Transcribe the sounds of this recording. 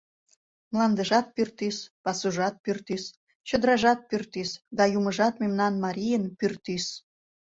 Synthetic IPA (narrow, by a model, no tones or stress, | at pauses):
mlɑnd̪əʒɑt̪̚pyrt̪ispɑsuʒɑt̪̚pyrt̪is | t͡ɕəd̪əɾɑʒɑt̪̚pyrt̪isd̪ɑjuməʒɑt̪memnɑnmɑɾijənpyrt̪is